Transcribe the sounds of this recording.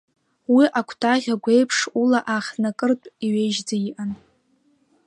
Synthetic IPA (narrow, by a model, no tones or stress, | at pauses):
wiʔakʷʰtʰʼaʁʲaɡʷe̞jpʰʂulaʔaχʲnakʼɨrtʷʼiɥejʒd͡zaiʔan